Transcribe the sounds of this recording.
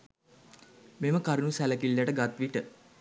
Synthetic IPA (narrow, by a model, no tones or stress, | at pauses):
meməkaɾinusæləkilːəʈəɡat̪ʋiʈə